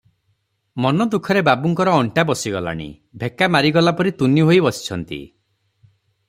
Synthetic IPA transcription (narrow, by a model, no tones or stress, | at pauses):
mɔnɔd̪ukʰɔɾebabuŋkɔɾɔːɳʈabɔsiɡɔla̰ɽ̃ḭ | bʱekamaɾiɡɔlapɔɾit̪uniɦojbɔsi̥t͡ʃʰɔnt̪ḭ